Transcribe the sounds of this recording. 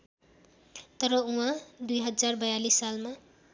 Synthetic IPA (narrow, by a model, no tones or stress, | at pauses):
t̪ʌɾʌũɦãd̪ujɦʌd͡zarbʌjalisːalma